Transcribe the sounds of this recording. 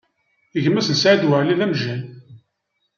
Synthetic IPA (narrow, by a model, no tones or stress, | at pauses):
əʝəmːæsənsʕad̪wəʕliðæmʒæn